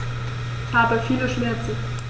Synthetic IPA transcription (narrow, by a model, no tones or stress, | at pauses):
haːbəfiːləʃmɛɐt͡sn̩